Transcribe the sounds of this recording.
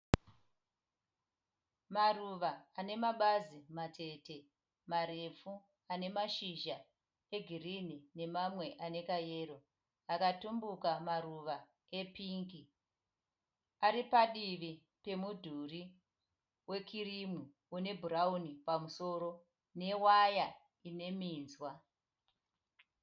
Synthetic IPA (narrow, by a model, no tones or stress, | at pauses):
maruʋaːne̞maɓazimate̞te̞ | maɾe̞fu | ane̞maʃiʒa | e̞ɡʱirinine̞mamwe̞ʔane̞kaje̞ːɾo̞ | akatumbukamaruʋa | e̞piŋɡi | aɾipaɗiʋi | pe̞mudʱuri | we̞kʰirimu | une̞bʱuɾaunipamuso̞ːɾo̞ | ne̞waja | ine̞miːnzwa